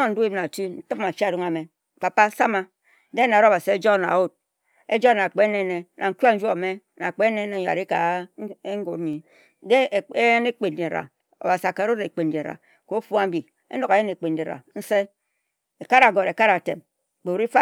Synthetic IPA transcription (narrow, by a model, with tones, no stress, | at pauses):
o˦n̩˦du˦i˦m˦na˨tu˦n̩˦tɨ˦p̚ma˨t͡ʃi˦˨ɾu˦ŋa˨me˨ | k͡pa˨pa˦sa˦ma˦ | de˦na˨ɾo˦˨ba˨si˨e˦d͡ʒo˦˨na̰˨o˦t̚ | e˦d͡ʒo˦na˨k͡pe˦ne˦ne˨nʔa˨ŋ̩˦ku˦a˦n̩˦d͡ʒo˦˨me˦ | na˨k͡pe˦ne˦ne˨ja̰˨ɾi˦ka˨˦ | ŋ˦ɡo˨ɾi˨˦ | de˦˨e˦je˦ne˦k͡pe˨n˨di˨ɾa̰˨ | o̰˨ba˨si˨a˨ka˨ɾo˦ɾe˨k͡pe˨ndi˨ɾa̰˨ | ko˨˦fu˦a˦m˦bi˨ | ḛ˦no˨ke˨˦je˦ne˨k͡pe˨n˨di˨ɾa̰˨n̩˦se˦ | e˨ka˦ɾa˨ɡo˨ɾe˨ka˦ɾa˨tḛ˨m | k͡po˨ɾi˦fa˦